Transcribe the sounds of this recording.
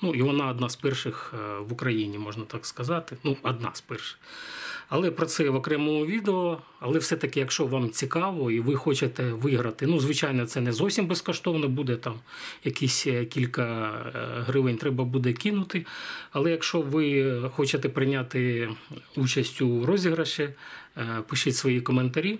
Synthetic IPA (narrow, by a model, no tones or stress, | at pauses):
nuiʋɔnɑɐd̪nɑspɛrʃɪxʋʊkɾɐjinʲimɔʒnɐt̪ɑkskɐzɑt̪ɪnuɐd̪̚nɑ̰spɛrʃɪ̥xɐlˠɛpɾɔt̪sɛʋɔkɾɛmɔɔʋʲid̪eɔ | ɐlˠɛwsɛt̪ɐkɪjɐkʃt͡ʃɔʋɑmt͡sʲikɑʋɔiʋɪxɔt͡ʃet̪ɛʋɪɦɾɐt̪ɪnuzʋɪt͡ʃɑjnɔt̪sɛnɛzɔwsʲimbɛskɔʃt̪ɔʋnɔbud̪ɛt̪ɑm | jɐkisʲkʲilʲkɐ | ɦɾɪʋɪnʲt̪ɾɛbɐbud̪ɛkʲinʊt̪ɪɐlˠɛjɐkʃt͡ʃɔʋɪxɔt͡ʃet̪ɛpɾɪnʲat̪ɪ | ut͡ʃɐsʲtʲʊɾɔzʲiɦɾɐʃɛ | pɪʃɪtʲsʋɔjikɔment̪ɐɾʲi